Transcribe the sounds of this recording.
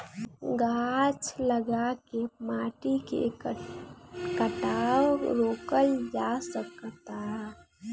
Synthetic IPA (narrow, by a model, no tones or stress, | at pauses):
ɡat͡ʃləɡakemaʈikḛ | kəʈaɾoːkəld͡ʒasəkt̪a